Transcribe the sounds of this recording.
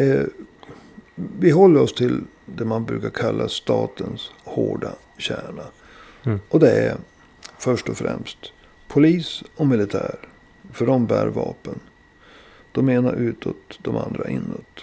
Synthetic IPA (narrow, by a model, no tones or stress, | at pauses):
vɪɦɔlːəɾɔst̪ʰɪl | d̪ɛmanbɾʉ̟ːkaɾkʰalːast̪ɑːt̪ənshoːɖa | ɕæːɳa | ʔɔd̪ɛæ | fœʂʈɔfɾɛ̰mst̪ | pʰʊliːsɔmɪlɪt̪ʰæːɾ | fœɖɔmbæːɾvɑːpən | d̪̥ɔmeːnaʔʉ̟ːt̪ʰoːt̪d̪ɔmʔand̪ɾaʔɪnːɔt̪